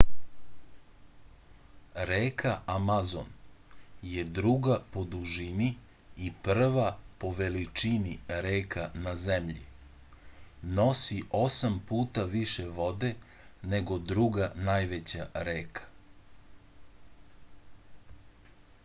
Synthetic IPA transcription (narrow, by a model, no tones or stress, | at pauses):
ɾeːkʰaʔamazo̰n | je̞d̪ɾuɡapo̞d̪uʒimi | ipr̩ʋapo̞ʋe̞lit͡ʃiniɾeːkʰanazemʎḭ | no̞siʔo̞sampuːt̪aʋiʃeʋo̞d̪e̞ | neɡo̞d̪ɾuɡanaːjʋet͡ɕaɾeːkʰḁ